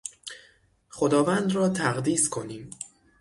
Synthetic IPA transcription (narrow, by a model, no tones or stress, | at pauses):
χod̪ɒːvænd̪ɾɒːt̪ʰæɣd̪iːskʰo̞niːm